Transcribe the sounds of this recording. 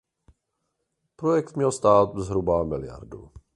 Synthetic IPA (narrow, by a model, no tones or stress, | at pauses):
pɾojɛkt̪mɲɛlst̪aːt̪̚zɦɾubamɪlɪja̰ɾdṵ